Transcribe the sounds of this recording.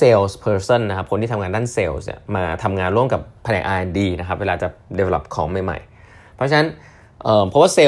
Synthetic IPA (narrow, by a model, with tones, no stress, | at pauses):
seː˧wspʰɤː˧sɤ˥˩nːa˦kʰa˦p̚ʰo˧nt̪ʰiː˥˩˧ŋaː˧daː˥˩nseː˧wsnḭ˨˩maː˧t̪ʰa˧mŋaː˧nɾu˥˩əmka˨˩pʰːa˧nɛ̰˨˧˩ʔaː˧ʔndiː˧na˦kʰa˦˥weː˧lːaː˧t͡ɕa˨˩de˧we˧la̰˦˩p̚kʰɔː˨˦ŋma˧˩jma̰˨˩j | pʰɾɔ˦˥t͡ɕʰa˧na˦˥n | ʔɤː˨˩mpʰɔ˦˥waː˥˩seː˧